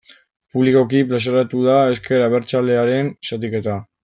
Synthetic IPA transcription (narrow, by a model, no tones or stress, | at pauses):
puβliko̞kiplas̬eɾat̪uðae̞ske̞ɾaβe̞ɾt͡sale̞aɾe̞nsat̪ike̞t̪a